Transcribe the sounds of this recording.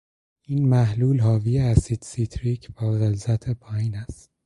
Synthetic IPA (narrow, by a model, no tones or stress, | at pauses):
iːnmæɦluːlɦɒːvijeæsit̪sit̪ʰɾiːcʰbæːɣelzæt̪ʰepʰɒːjiːnæst̪̚